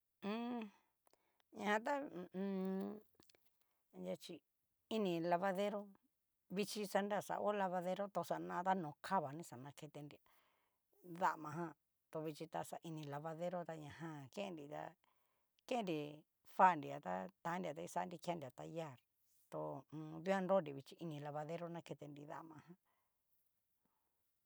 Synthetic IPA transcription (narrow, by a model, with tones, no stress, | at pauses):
ɲã˧hã˧t̪̬ã˦˧ | ja˧t͡ʃi˧ | i˧nĩ˧la˧βa˧ðe˦ɾo˦ | βi˧t͡ʃi˧sa˧nda˦˧˨sa̰˧ʔo˦la˧βa˧ðe˧ɾo˦t̪o˧sa˧˨˧nã˧t̪a˦nõ˨kʰa˦βa˨nĩ˦sa˨nã˧ke˧t̪e˧ndi˨a˨ | ða˧ʔmã˧ɦã˧ | t̪o˧βi˧t͡ʃi˧t̪a˧sa˨ʔi˧nĩ˧la˧βa˧ðe˦ɾo˦t̪a˧ɲã˨ɦã˧kẽ˦ẽ˧ndi˧t̪a̰˧ | kẽ˦nɾi˨ | fa˦˨ndi˨a˨t̪a˦t̪ã˨˦ndi˧a˨t̪a˧i˧sa˦ndi˧ka˧ndi˨a˨t̪a˧ja˦˨ɾ | t̪o˧ũː˧ðu˦a˦ndo˦ndi˨βi˧t͡ʃi˧i˧nĩ˧la˧βa˧ðe˦ɾo˦˧nã˧ke˧t̪e˧ndi˧ða̰˦˨mã˧ɦã˧